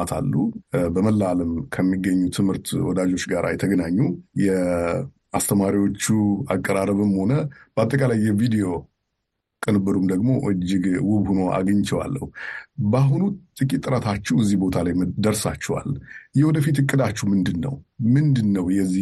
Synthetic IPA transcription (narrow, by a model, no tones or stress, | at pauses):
at̪ʰa̰lːubəməlːaləmkʰəmːiɡːəɲːut̪ʰɨmhɨɾt̪wɔd̪ad͡ʒo̞t͡ʃɡaɾa̰jɛt̪ʰəɡənaɲːujɛ | ast̪ʰəmaɾiwo̞t͡ʃːuakʼːəɾaɾəβɨmho̞nəb̥əat̪ʼːəkʼalajːɛvid̪ijo̞ | kʼɨnɨbɨɾumd̪əɡmo̞ʔɨd͡ʒːɪɡwʊβhuno̞ʔa̰ɡəɲt͡ʃʰɛwa̰lːəhubaɦunut̪ʼɨkʼit̪ʼːɨɾət̪ʰat͡ʃːɛwɛzːihbo̞t̪ʰalajd̪əɾsat͡ʃːɛwa̰ljɛwɔd̪əfit̪ɨkʼːɨd̪at͡ʃːɛhmɨnd̪ɨnːə̰wmɨnd̪ɨnːəwjɛzːi